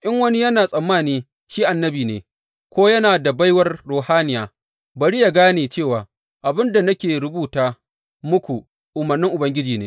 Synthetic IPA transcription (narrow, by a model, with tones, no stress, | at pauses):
ʔɪ˦ŋwɐ˦ni˦jɐ˦naː˨sʼɐ˨mːaː˦˨niː˦ | ʃiː˦ʔa˨nːɐ˦biː˨nḛː˨ | kʷoː˦jɐ˦naː˨da˨ba˦jwɐ˦rɽoː˨haː˦nɪ˨jaː˨ | bɐ˨ɾi˦ja˨ɡaː˦neː˨t͡ʃeː˦˨waː˨ | ʔa˨bɪ˦nda˨nɐ˦kʲeː˨ɾɪ˦buː˦˨taː˦ | mʊ˦kʷu˨ | ʔʊ˨mɐ˨rnːɪ˦ŋʔʊ˨bɐ˦ŋɡʲɪ˦d͡ʒiː˨neː˦